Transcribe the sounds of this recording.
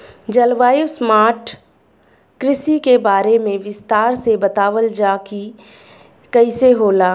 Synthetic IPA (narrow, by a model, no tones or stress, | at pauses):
d͡ʒɐlʋaːismaːʈ | kɾɪsikebaːɾemẽʋɪst̪aːɾsebɐt̪aːʋəld͡ʒaːki | kɐiseɦoːlaː